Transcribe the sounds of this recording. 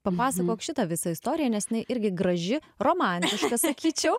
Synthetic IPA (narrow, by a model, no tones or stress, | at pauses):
pɐpɑːsɐkoːkʃʲɪt̪ɐʋʲɪsɐɪst̪oːɾʲɪjɛnʲɛsjɪnɐɪʔɪɾʲɡʲɪɡɾɐʒʲɪ | roːmɑˑnʲt̪ʲɪʃkɐsɐkʲiːt͡ʃʲɛʊ